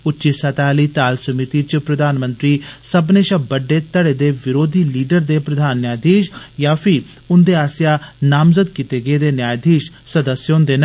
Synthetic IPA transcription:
ʊtːʃisɐːt̪aːliːt̪aːlsɐmit̪it͡ʃpɾɐd̪aːnmə̃nt̪ɾiːsɐbneːʃɐbəɖːeːt̪ɐɽeːd̪eːʋɪɾoːd̪ʱiːliːɖəɾd̪eːpɾɐd̪ʱaːnːjaːjd̪ʱiːʃjaːpʰɪ | ʊnd̪eaːsjaːnaːmzəd̪kit̪eɡeːd̪enjaːjd̪ʱiːʃsɐd̪əsjõːnd̪eːnɐ

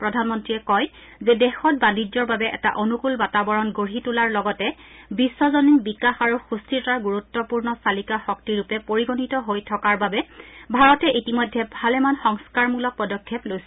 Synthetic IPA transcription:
pɹɔdʱanmɔntɹijɛkɔj | zɛdɛxɔt̚banid͡ʒɔɹbabɛʔɛ̰ta̰ʔonukulbatabɔɹɔnɡoɦitulaɹlɔɡɔtɛbisːɔzɔninbikaxaɹuxustʰiɔaɹɡuɹut̪ːɔpuɹnɔsalikaxɔk̚tiɹupɛpoɹiɡonitɔɦojtʰɔkaɹbabɛbʱaɹɔtɛʔitimɔjdʱːɛbʱalɛmanxɔŋskaɹmulɔpɔdɔkʰːɛplojs

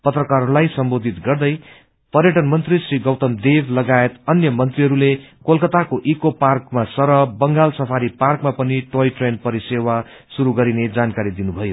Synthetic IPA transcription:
pʌt̪rʌkaɾlajsʌmbod̪ʱit̪ɡʌrd̪ʌj | pʌrjʌʈʌnmʌnt̪risriɡʌwt̪ʌmd̪ebʱlʌɡaet̪ʌnjʌmʌnt̪riɦʌɾulekolkʌt̪akoʔikoparkmasʌɾʌbʌŋɡalsʌpʰaɾiparkmapʌniʈojʈrenpʌɾisewa | suɾuɡʌɾined͡zankaɾid̪inubʱʌjo

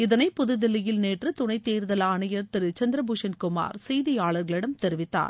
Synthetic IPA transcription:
ɪðɐnɐɪpːʊðɯðɪlːɐjɪlneːʈrɯt̪ʊɳɐɪt̪ːeːɾðɐlaːɳɐjɐɾt̪ɪɾɯt͡ʃɐnd̪ɪɾɐbuʂɐnkʊma̰ːɾsɛjðɪjaːɭɐɾɣɐɭɪɽɐmt̪ɛɾɪʋɪt̪ːa̰ːɾ

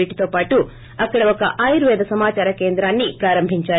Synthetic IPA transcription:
iʈi̥t̪oːpaːʈu | ɐkːɐɽɐʋɐkːɐʔaːjɾʋɛːd̪ɐsɐmaːt͡ʃaːɾɐkeːnd̪ɾaːnːipɾaːɾɐmbʱiɲt͡ʃaː

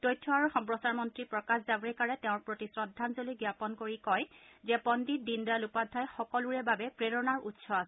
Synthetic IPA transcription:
tojtʰːɔaɹuxɔmpɹɔsaɹmɔntɹipɹɔkaszabɹɛkaɹɛtɛʊ̃ɹpɹotisɹɔdʱːanzoliɡjapɔnkoɹikɔjzɛpɔndidindalupadʱːajxɔkɔluɹɛbabɛpɹeɹɔnaɹutsʰɔasɛ

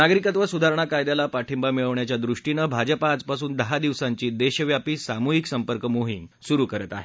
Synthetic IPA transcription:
naɡɾikət̪ʋəsud̪ʱaɾɳ̃akajd̪alapaʈʰimbamiɭəʋɳjat͡ɕjad̪ɾuʂʈinəbʱad͡ʑəpaːd͡zpasuːnd̪əɦad̪iʋsaɲt͡ɕiːd̪eɕəʋjapiːsamuɦiksəmpəɾkəmoɦiŋsuɾuːkəɾət̪a̰ɦe

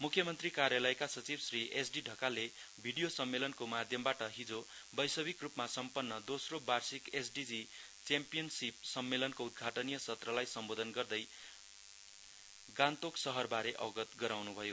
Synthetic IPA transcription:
mukʰjʌmʌnt̪rikarjalʌjkasʌt͡sibsriʔesɖiɖʱʌkalebʱiɽijosʌmːelʌnkomad̪ʱjʌmbaʈʌɦid͡zobʌjsʌbikrupmasʌmpʌnːʌd̪osrobarsikesɖid͡zi | t͡sampijʌnsip̚sʌmːelʌnkoud̪̚ɡʱaʈʌnijʌsʌt̪rʌlajsʌmbod̪ʱʌnɡʌrd̪ʌj | ɡant̪oksʌɦʌrbaɾeʔʌ̰wɡʌt̪ɡʌɾawnubʱʌjo

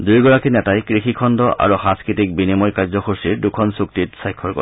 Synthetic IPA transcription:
dujɡɔɹakinɛtajkɹixikʰɔndɔʔa̰ɹuxãskɹitik̚binimɔjkaɹzɔxʰoɹsiɹdukʰɔnsuktitsajkʰːɔɹkɔ̰

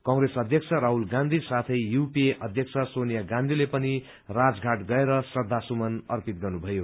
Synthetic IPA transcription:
kʌ̃ŋresʌd̪ʱjʌksʰʌɾaɦulɡãnd̪ʱisat̪ʰʌjjupieʌd̪ʱjʌkt͡sʰʌsonjaɡãnd̪ʱilepʌni | rad͡zɡʱaʈɡʌeɾʌsʌd̪ʱːasumʌnʌrpit̪̚ɡʌrnubʱʌjo

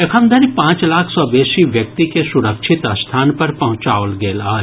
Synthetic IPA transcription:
ekʰəmd̪ʱəɾipãːt͡ʃlaːkʰsɔbeːsiʋjɐk̚t̪ikesʊɾəkʃʰɪt̪ɐst̪ʰaːnpɐɾpɐɦʊ̃t͡ʃaːolɡeːlaː

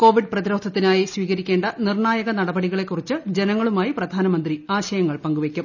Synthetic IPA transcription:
ko̞ːʋiɖ̚prɐðiɾoːd̪ʱɐt̪ːinaːjisʋiːɣɐɾikʲːe̞ːɳɖɐnirɳaːjɐɣɐnɐɽɐbɐɽiɣɐɭe̞kːurit͡ɕːɨd͡ʑe̞nɐŋːɐɭumaːjiprɐd̪ʱaːnɐmɐnd̪riaːɕɐjɐŋːɐɭpɐŋɡuʋekʲːum

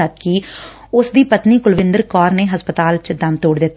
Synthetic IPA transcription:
ət̪kiː | ʊsd̪iːpət̪niːkʊlʋɪ̃nd̪əɾkɔːɾneːɦəspət̪aːlt͡ʃd̪əmt̪oːɽd̪ɪt̪ː

